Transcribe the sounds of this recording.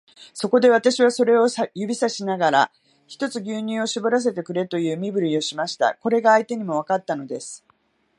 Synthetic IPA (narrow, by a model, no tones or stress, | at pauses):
so̞ko̞d̪e̞βat̪aɕiβ̞aso̞ɾe̞o̞sjɯbʲisaɕinaɡaɾa̰ | çi̥t̪o̞t͡sɨɡʲɨːɲ̟ĩo̞ɕibo̞ɾas̬e̞t̪e̞kɯ̟ɾe̞t̪o̞jɯ̟ːmʲibɯ̟ɾʲio̞ɕimaɕi̥t̪a̰ko̞ɾe̞ɡaːit̪e̞ɲ̟imo̞β̞akat̪ːano̞d̪e̞sɨ̥